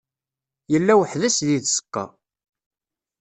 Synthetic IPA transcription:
jəlːæwəħðæsðiðsə̥qːɑ̰

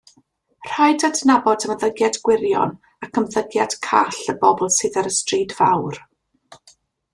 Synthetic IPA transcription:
r̥ajdadnabɔdəməðəɡjadɡwɪɾjɔ̰n | akʰəmðəɡjad̥kʰa̰ɬəbɔbɔlˠsɨːðaɾəstriːdvawr

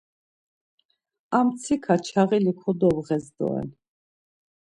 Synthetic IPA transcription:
amt̪sʰikʰat͡ʃʰaʁilikʰɔd̪ɔvʁɛzd̪ɔ̰ɛ̰l

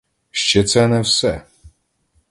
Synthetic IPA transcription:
ʃt͡ʃɛt̪sɛnɛwsɛ

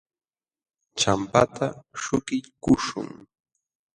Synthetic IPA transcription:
t͡ʃampat̪aʃʊkɪʎkʊʃʊ̰ŋ

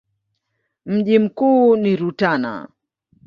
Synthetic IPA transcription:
m̩ʄim̩kuːniɾutana̰

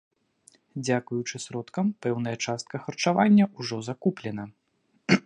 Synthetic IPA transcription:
d͡zʲakujut͡ʂɨsɾɔt̪kɐmpɛwn̪ɐjɐt͡ʂast̪̚kɐxɐrt͡ʂavanʲːɐuʐɔzakuplʲɛnɐ

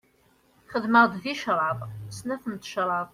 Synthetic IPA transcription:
χəðməʁd̪viʃɾˤɑðˤsnæθənt̪ʃɾˤɑðˤ

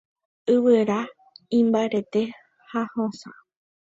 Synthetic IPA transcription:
ɨwɨɾa | ĩmbaeɾe̞t̪e̞ | hahõsã̰

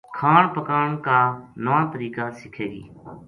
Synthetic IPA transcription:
kʰaːɳpəkaːɳkaːnəʋãːt̪əɾiːkaːsɪkʰeːɡḭː

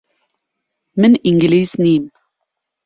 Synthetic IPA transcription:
mɘniŋɡliznim

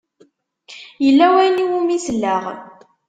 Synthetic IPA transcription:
jəlːæwæjniwumislːæʁ

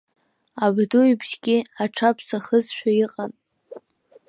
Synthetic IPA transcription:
abdujbʒɡʲɪaʈ͡ʂʰapʰsaχəzʃᶣajiqʼan

